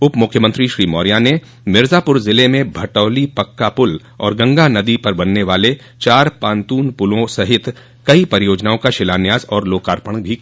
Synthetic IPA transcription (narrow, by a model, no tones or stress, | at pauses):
ʊpmʊkʰjəmə̃nt̪ɾiʃɾiːmɔːɾijane | mɪɾzaːpʊɾzɪlemẽbʱɐʈɔːlipɐkːapʊl | ɔ̰ːɾɡɐ̃ŋɡanɐd̪ipɐɾbɐnːeʋaːle | t͡ʃaːɾpãːnt̪uːnpʊlõsɐɦɪt̪ | kɐipɐɾɪjoːd͡ʒnaːõkaʃɪlaːnjaːzɔːɾloːkaːɾpəɽ̃bʱi